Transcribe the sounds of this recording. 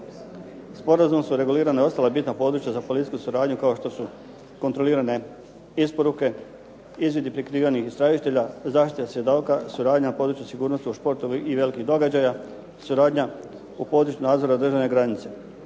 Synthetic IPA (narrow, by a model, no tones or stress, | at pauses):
spo̞ɾazumsuɾe̞ɡuliːɾanao̞st̪alabit̪napo̞ːd̪ɾut͡ɕjazapo̞lit̪iskusuɾaːd̪ɲukao̞ʃt̪o̞su | ko̞nt̪ɾo̞liːɾane̞ | ispo̞ɾuke̞ | izʋje̞d̪ipɾikɾiːʋanixist̪ɾaʒit̪e̞ʎazaːʃt̪it̪asje̞d̪okasuɾaːd̪ɲanapo̞ːd̪ɾut͡ɕusiɡuːɾno̞st̪iuʃpo̞ɾt̪o̞ʋiʔiʋe̞likiɣd̪o̞ɡad͡ʑaja | suɾaːd̪ɲa | upo̞ːd̪ɾut͡ɕunaːd̪zo̞ɾad̪r̩ʒaʋne̞ɡɾanit̪se̞